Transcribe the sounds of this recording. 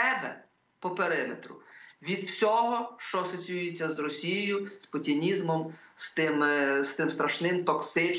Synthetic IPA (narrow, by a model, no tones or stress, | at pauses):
ɛbɛ̰ | pɔpeɾɪmḛt̪ɾʊ̰ʋʲid̪wsʲɔɦɔʃt͡ʃɔɐsɔt͡sʲijujet͡sʲːɐzrɔsʲijjʊspʊtʲinʲizmɔmst̪ɪmst̪ɪmst̪ɾɐʃnɪmt̪ɔksɪt͡ʃ